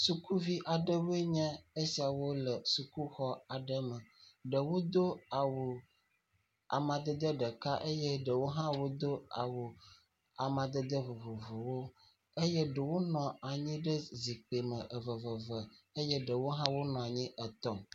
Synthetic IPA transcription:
su˨ku˦vi˦ʔa˨ɖə˦we˦ɲɛ̃˦e˦si˨a˨wo˦lə˨su˨ku˦xɔ˦a˨ɖə˦mə̃˨ɖə˨wo˦d̪o˦a˨wo˨ | a̰˨mã˨d̪ə˦d̪ə˦ɖə˨ka˦ʔe˦jɛ˦ɖə˨wo˦ɦã˦wo˦d̪o˦a̰˨wo˨ | a˨mã˨d̪ə˦d̪ə˦vo˨vo˨vo˨wo˦ | e˦jɛ˦ɖə˨wo˦nɔ̃˨a˨ɲĩ˦ɖə˦zi˨k͡pe˨mə̃˨ʔə˨və˨və˨və˨ə˦jɛ˦ɖə˨wo˦ɦã˦wo˦nɔ̃˨a˨ɲĩ˦ʔə˨t̪ɔ˦

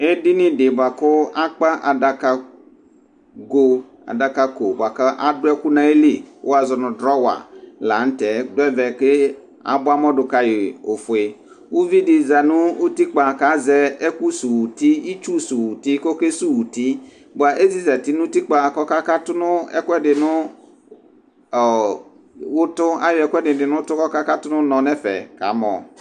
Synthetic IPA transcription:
e˦dɪ˦nɪ̃˦dɪ˨ba˨kʊ˦a˦k͡pa˦ʔa˨da˨ka˨ | ɡo˦ | a̰˨da˨ka˦ko˨ba˨ka˦ʔa˦dʊ˦ɛ˦ku˦nã˨e˦li˦˨o˦a˨zɔ˨nʊ̃˨dɾɔ˦wa̰˨la˨n̩˦tɛ˨dʊ˦ɛ˦vɛ˨ke˦ | a̰˨bʊ˦a˦mɔ˦dʊ˨ka˦jɪ˨o˨fʊ˨e˨ | u˦vi˦dɪ˨za˨nʊ˦u˦ti˦k͡pa˨ka˨˦zɛ˦ɛ˦ku˦su˨wu˨ti˦i˦t͡ʃu˦su˨wu˨ti˦ko˦ke˦su˦wu˨ti˦ | bʊ˨a˨ʔe˦zi˦zɛ˨ti˨˦nʊ̃˦ti˦k͡pa˨kɔ˦ka˦ka˦tʊ˦nʊ˦ɛ̰˦kʷɛ˦dɪ˨nʊ̃˦˨ | wʊ˦tʊ˦a̰˦jʊ˨˦ɛ˨kʷɛ˦dɪ˨dɪ˨nʊ̃˦tʊ˦kɔ˦ka˦ka˦tʊ˦nʊ˦nɔ̃˨nɛ˦fɛ̰˨ka̰˨˦mɔ̰˨

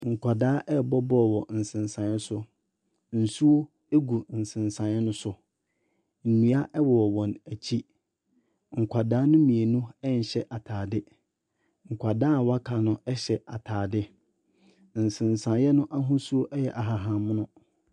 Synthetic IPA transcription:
ŋ̩˨kʰʷa˨daː˦ʔɛ˦˨bɔ˦bɔ˦˨wɔ˨n̩˨sɪ̃˨nsã˨njɛ˦sʊ˦ | n̩˨su˦o˦ | e˦ɡu˨n̩˨sɪ̃˨n˨sã˨njɛ˦nʊ̃˦sʊ˦ | m̩˨nĩ˨a˦ʔɛ˦wɔ˨ɔ˨wɔ̃˨næ˨t͡ɕʰi˦ | ŋ̩˨kʷʰa˨daː˦nʊ̃˦mĩ˨e˨nũ˦ɛ˦n̩˨ɕɛ˦ʔa˨tʰaː˨dɪ˦ | ŋ̩˨kʷʰa˨daː˦˨wa˦kʰa˨nʊ̃˦ɛ˦ɕɛ˨a˨tʰaː˨dɪ˦ | n̩˨sɪ̃˨nsã˨njɛ˦nʊ̃˦ʔa˦ɦʊ̃˦su˦o˦ʔɛ˦jɛ˨ʔa˨ɦa˨ɦã˨m˦nʊ̃˦

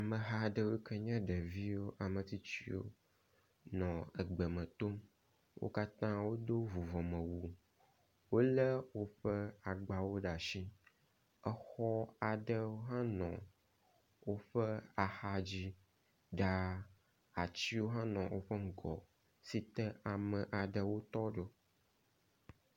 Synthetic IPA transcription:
a˨mə̃˨ɦa˦ɖə˦wo˦kʰɛ˦ɲɛ̃˦ɖə˨vi˦wo˦ʔa˨mə̃˨t̪i˦t͡ɕi˦wo̰˦ | nɔ̃˨ə˨ɡ͡bə˨mə̃˨t̪o˦m | wo̰˦ka˦t̪ã˦wo˦d̪o˦vu˨vɔ˨mə̃˨wu˨ | wo˦lə˦wo˦ɸə˦a˨ɡ͡ba˨wo˦ɖa˨ʃĩ˦ | ə˦xɔ˦a˨ɖə˦wo˦ɦã˦nɔ̃˨ | wo˦ɸə˦a˨xa˦d͡ʑi˦ | ɖa˦ | a˨t͡ɕi˦wo˦ɦã˦nɔ̃˨wʔo˦ɸə˦ŋ̩˨ɡɔ̰˨ | si˦t̪ɛ˦a˨mə̃˨ʔa˨ɖə˨wo˦t̪ɔ˦ɖo˦

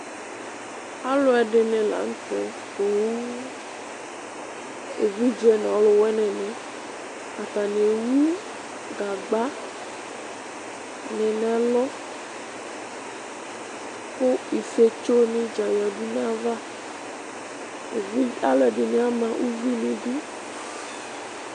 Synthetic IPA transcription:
a˦lo˦ɛ˨ɖe˨nɛ̃˨la̰˨ŋ̩˦t̪ɔ˨ | to˨wu˦ | e˨vi˦d͡ʒɛ˦nã˨wlo˨wɛ˦nɛ̃˨nɛ̃˨ | a˨t̪a˨nẽ˨wu˦ | ɡa˨ɡ͡ba˦ | nɛ̃˨nɛ̃˨a˨lɔ˦ | ɸo˦i˨se˦t͡ʃo˦nĩ˦d͡ʒã˨ja˨ɖu˦nã˦va˦ | e˨vi˦a˦le˨ɖi˨nɛ̃˨˦a˦mã˨ʔu˦vi˦lĩ˦du˦

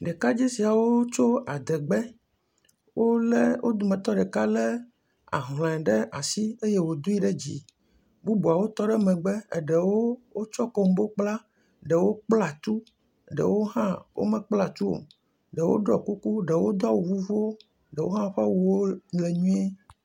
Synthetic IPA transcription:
ɖe˨ka˦d͡ʑi˦si˨a˨wo˦t͡ʃo˦a˨d̪ɛ˨ɡ͡bɛ˦ | wo˦le˦wʔo˦d̪u˨mɛ̃˨t̪ɔ˦ɖɛ˨ka˦le˦ | a̰˨ɦl̃ɛ̃˨ɖe˦ʔa̰˨si˦e˦je˦wo˨d̪o˦i˦ɖe˦d͡ʑḭ˨ | bu˦bu˨a˨wo˦t̪ɔ˦ɖɛ˦mɛ̃˨ɡ͡be˦ḛ˨ɖe˨wo˦wo˦t͡ʃɔ˦ko˦m˦bo˦k͡pla˦ | ɖɛ˨wo˦k͡pla˨t̪u˦˨ | ɖɛ̰˨wo˦ɦã˦wʔo̰˦mɛ̃˨k͡pla˨t̪u˦o̰˨ | ɖɛ˨wo̰˦ɖɾɔ˨ku˦ku˦ɖe˨wo˦d̪ɔ˦wo˨vu˦vu˦wo˦ | ɖɛ˨wo̰˦ɦã˦ɸa˦wu˦wo˦le˨ɲũ˦e˦

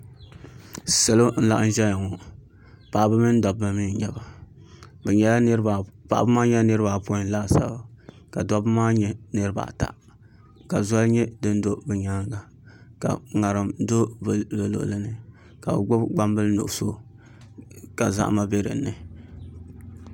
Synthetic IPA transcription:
sa˨lo˦n̩˦la˦ʔɨ˦ʒɛ˦ja˨ŋɔ˨ | paː˨bɨ˦mɨ˦n˦da˨bma˨mi˦n˦ɲɛ˨ba˨ | bɛ˨ɲɛ˦lpa̰˨ʔbɨ˦maː˦ɲɛ˦nɨ˦ɾɨ˦ba˨po˦˨n˦laː˦˨sa̰˦˨ba˨ | ka˨dɔ˦bɨ˦maː˦ɲɛ˦nɨ˦ɾɨ˦ba̰˨ta̰˨ | ka˨za˦lɲɛ˦dɨ˦n˦do˦bɛ˨ɲa˦ŋɡa˨ | ka̰˨ŋa˨ɾɨ˨mdo˦bbɨ˨lo̰˨ʔlɨ˦nɨ˨ | ka˨bɨ̰˨ɡ͡bʊ˦bɡ͡ba˦m˦bɨ˦lno̰˨ʔso˦ | ka˨za̰˦ʔma˦be˦ɾɨ̰˨nɨ˨

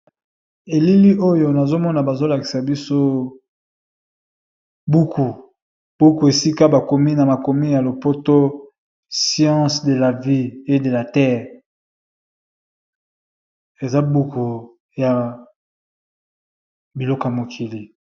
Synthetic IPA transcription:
e˨li˦li˦ʔo˦jo˨na˨zo˦mɔ˦na˨ba˨zo˦la˨ki̥˨sa˨bi˦so˦ | bu˦kʰu˨ | b̥u˦ku˨e˨si˦ka˦ba˨ko˨mi˦na˨ma˨ko˨mi˦ja˨lo˨po˦to˦ | sjɑ̃˦sde˨la˨vi˦e˦de˨la˨tɛ˦ʁ | e˨za˦bu˦ku˨ | ja˨ | bi˨lɔ˦ko˨a˨mo˨kʰi˨li˨

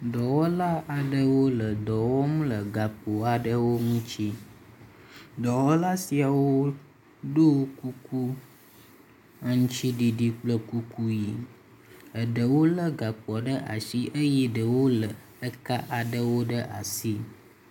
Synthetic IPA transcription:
d̪ɔ˨wɔ˦la˦a˨ɖə˦wo˦lə˨d̪ɔ˨wɔ˦m̃˦lə˨ɡa˨k͡po˨a˨ɖə˦wo˦ŋũ˦t͡ʃi˦ | d̪ɔ˨wɔ˦la˦si˨a˨wo˦ | ɖo˦ku˦ku˦ | a˨ŋũ˦t͡ʃi˦ɖi˨ɖi˨k͡plə˦ku˦ku˦ji˨ | ə˨ɖə˨wo˦lə˦ɡa˨k͡pɔ˨ɖə˦ʔa˨si˦ʔə˦jɛ˦ɖə˨wo˦lə˨ | ə˦ka˦ʔa˨ɖə˦wo˦ɖə˦ʔa̰˨si˦

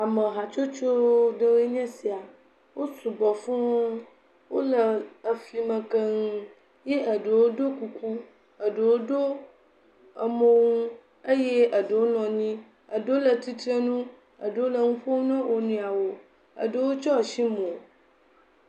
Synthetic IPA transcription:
a˨mə˨ɦa˨t͡ʃo˦t͡ʃo˦ɖə˦we˦ɲɛ̃˦si˨a˨ | wo˦su˨bɔ˨fũ˦o˦ | wo˦lə˨ə˨fli˨mə̃˨kə˦ŋũ˦ | je˦ʔə˨ɖə˨wo˦do˦ku˦ku˦ | ə˨ɖə˨wo˦do˦ | ə˨mõ˦ŋũ˦ | ə˦jɛ˦ə˨ɖə˨wo˦nɔ̃˨ɲĩ˦ | ə˨də˨˦wo˦lə˨t̪i˦t̪ɾe˦nũ˦ | ə̰˨ɖə˨wo˦lə˨ŋũ˦ɸo˦wnɔ̃˦wo˨nũ˦a˨wo˨ | ə̰˨ɖə˨wo˦t͡ʃɔ˦˨ʃi˦mõ˨

